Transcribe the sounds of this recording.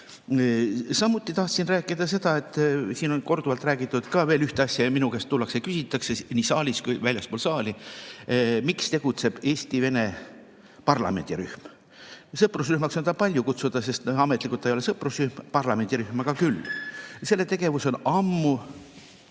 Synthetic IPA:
sɑmːut̪ːˑit̪ɑht̪sinræːkːˑid̪̥ɑse̞d̪̥ɑe̞t̪ːˑsiːno̞nko̞rd̪uvɑlt̪ˑræːɡ̥it̪ːˑud̪̥kɑveːlyht̪eɑsʲjɑminukest̪ːulːɑksekysʲit̪ːˑɑksenisɑːlʲiskujvælʲjɑspoːlsɑːlʲi | mikst̪e̞ɡ̥ut̪se̞b̥e̞ːsʲt̪ive̞ne̞ | pɑrlɑ̰me̞̰nd̪̥ʲiɾyhm | sɤprus̬ryhmɑksond̪ɑpɑlʲjukut̪sud̪̥ɑse̞st̪ɑmet̪ːˑlikult̪ːˑejole̞sɤprusryhmpɑrlɑme̞nd̪iɾyhmɑɡ̥ɑkylːse̞lːe̞t̪e̞ɡ̥e̞vuso̞nɑmːu

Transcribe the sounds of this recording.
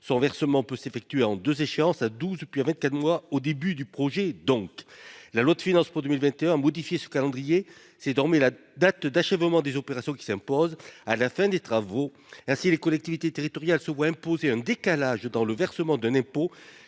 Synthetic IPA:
sɔ̃vɛʁsəmɑ̃pøsefɛk̚t̪ɥeɑ̃d̪øzeʃeɑ̃sad̪uzpɥiavɛ̃nt̪̚kat̪mwaod̪ebyd̪ypχɔʒɛd̪ɔ̃klalwad̪əfinɑ̃spuʁd̪əmilvɛ̃t̪eɛ̃amɔd̪ifjesə̥kalɑ̃d̪ʁije | sɛzɔʁmɛla | d̪at̪d̪aʃɛvmɑ̃d̪ezɔpeʁasjɔ̃kʲi̥sɛ̃pɔzalafɛ̃d̪et̪χavo | ɛ̃silekɔlɛk̚t̪ivit̪et̪eʁit̪ɔʁjalsəvwaɛ̃pozeɛ̃d̪ekalaʒd̪ɑ̃ləvɛʁsəmɑ̃d̪ɛ̃nɛ̃po

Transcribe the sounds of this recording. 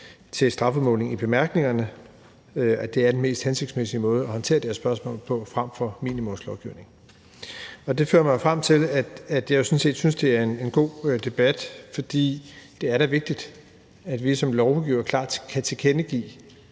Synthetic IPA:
t͡sʰe̝lsd̥ʁɑ̈fɒmɔ̽ːlne̝ŋib̥e̝mæɐɡ̥ne̝ŋɐnə | æd̥e̝æɐd̥enme̝̰ːsd̥hænse̝ɡ̥d̥smesimɔ̽ːð̞ˠɒ̽hɒ̽nt͡sʰe̝̰ːɐd̥æɐsb̥ɶɐsmɔ̰̽ːlpʰɒ̽fʁam̰fɒ̽miːnimɔ̽mslɒʊɡ̥iʊne̝ŋ | ɒ̽d̥e̝fø̰ːɐmɑ̈ɪofʁam̰t͡sʰe̝læ̥æd̥jɑ̈ɪjo̝sɔ̽n̩se̝̰ːd̥synsd̥e̝æɐe̝ne̝nɡ̥o̝̰ːd̥e̝b̥æd̥fɒ̽d̥ḭːd̥e̝æɐɾæʋe̝ɡ̥̚d̥id̥ | æd̥ʋisɒ̽mlɒʊɡ̥iːʊɐkʰlɑ̰̈ːd̥kʰæt͡sʰe̝kʰenəɡ̥ḭː

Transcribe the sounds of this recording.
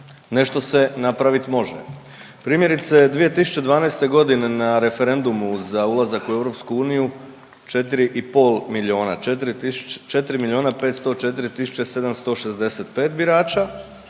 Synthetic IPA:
ne̞ʃt̪o̞se̞napɾaʋit̪mo̞ʒḛ | pɾiːmje̞ɾit̪sed̪ʋije̞t̪isu̥t͡ɕe̞d̪ʋaːnejst̪e̞ɡo̞d̪ine̞naɾe̞fe̞ɾe̞nd̪umuzaulazakueʋɾo̞pskuuːniju | t͡ʃe̞t̪̬iɾiʔipo̞ːlˠmilio̞ːnat̪ɾt͡ʃe̞t̪iɾimilio̞ːnape̞ːt̪st̪o̞t͡ʃe̞t̪iɾit̪isu̥t͡ʃe̞se̞d̪amst̪o̞ʃezd̪e̞se̞t̪pe̞ːt̪biɾaːt͡ʃa

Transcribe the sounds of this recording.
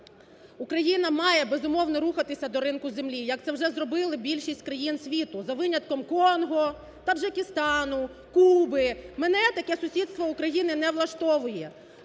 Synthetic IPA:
ʊkɾɐjinɐmɑjɛbezʊmɔwnɔɾuxɐt̪ɪsʲɐd̪ɔɾɪmkʊzemlʲijɐk̚t̪ɛwʒɛzrɔbɪlˠɪbʲilʲʃisʲtʲkɾɐjinsʲʋʲit̪ʊzɐʋɪnʲɐt̪̚kɔmkɔnɦɔ | t̪ɐʒɐkʲɪst̪ɑnʊ | kubɪmenɛt̪ɐkɛsʊsʲid̪st̪ʋɔʊkɾɐjinɪnɛʋlˠɐʃt̪ɔʋʊjɛ

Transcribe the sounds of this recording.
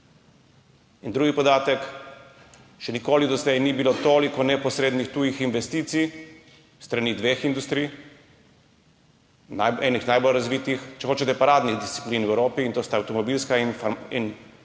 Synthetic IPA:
ind̪ɾuːɡipɔd̪aːt̪ɛk | ʃɛnikoːlid̪ɔzlɛjnibilot̪oːlikɔnɛpɔsɾeːd̪nixt̪uːjixinʋɛst̪iːt̪sij | st̪ɾanid̪ʋeːxind̪ust̪ɾij | naɛnixnajbɔlɾazʋit̪ixt͡ʃɛxoːt͡ʃɛt̪ɛpaɾaːd̪niɣd̪ist̪si̥pliːnwɛwɾoːpiːnt̪oːst̪aawt̪ɔmɔbilskainfin

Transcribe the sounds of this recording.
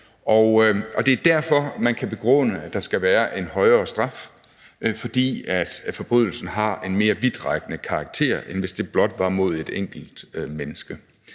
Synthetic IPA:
ɒʔɒ̽d̥e̝æɐd̥æɐfɒ̽mænkʰæb̥e̝ɡ̥ʁɔ̰nəæ̥ɑ̈sɡ̥æʋæːɐʔe̝nhɒ̽ɪɐːsd̥ʁɑ̈f | fɒ̽d̥ḭːæd̥fɒ̽b̥ʁyð̞̰ˠl̩sn̩ɦɑ̈e̝nme̝ːɐʋið̥ˠʁɑ̈ɡ̥ənəkʰɑ̈ɡ̥̚t͡sʰe̝̰ɐ̰enʋe̝sd̥e̝b̥lɒ̽d̥ʋɑ̈mo̝ð̞̰ˠe̝d̥eŋ̰ɡ̥l̩d̥ømenəsɡ̥ə

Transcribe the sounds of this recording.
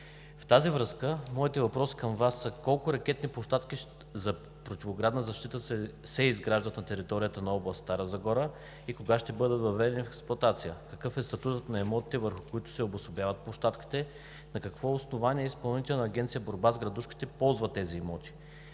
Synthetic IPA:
ft̪azivɾɤskəmɔit̪ɛvɐpɾɔsi̥kəmvasːəkɔlˠkʊɾɐk̟ʲɛt̪nipoʃt̪at̪kiʃ | zɐ | pɾot̪ivoɡɾad̪nəzɐʃt̪it̪əsɛ | sɛizɡɾaʒd̪ɐt̪nɐt̪ɛɾit̪ɔɾijət̪ənɐɔblˠɐst̪t̪aɾəzɐɡɔɾə | ikoɡaʃt̪ɛbɤd̪ət̪vɐvɛd̪ɛnifɛksplˠʊɐt̪at̪sijəkɐkɤfɛst̪ɐt̪ut̪ət̪nɐɛmɔt̪i̥t̪ɛvəɾxʊ̥kʊit̪ʊ̥sɛobʊsʊbjavɐt̪̚poʃt̪at̪ki̥t̪ɛ | nɐkɐkvɔʊsnovaniɛispɐlˠnit̪ʲɛlɛnɐːɡʲɛnt̪sijəboɾbazɡɾɐd̪uʃki̥t̪ɛpɔlˠzvɐt̪ːɛziɛmɔt̪i̥

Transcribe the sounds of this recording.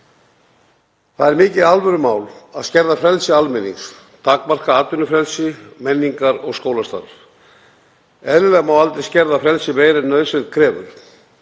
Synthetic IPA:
θaðɛɾmɪːcɪðalvœɾʏmaːwlaðscɛɾðafɾɛlsɪalmɪnːḭŋs | t̪ʰakmar̥kaaːt̪ːʏnʏfɾɛlsɪmɛnːiŋkaɾɔɣskoːwlast̪a̰ɾ | ɛðlɪlɛɣmawalt̪ɾɪscɛɾðafɾɛlsɪveːjɾɛnnːœɥðsvɛt̪kʰɾɛːvʏ̰ɾ̥

